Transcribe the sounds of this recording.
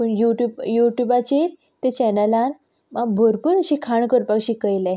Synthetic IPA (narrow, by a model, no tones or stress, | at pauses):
puɳjuʈubjuʈjubat͡ɕiːɾ | t̪et͡ɕɛnəlan | mabʱoɾpuːɾəɕikʰaɳkəɾpaɡɕiːkəjlɛ